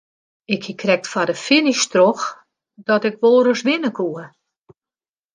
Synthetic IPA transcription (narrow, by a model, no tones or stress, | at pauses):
ɪkhikʰrɛk̚tfadəfɪniʃtrox | d̥ɔtɪkʋoːrəsʋɪnəkʰuə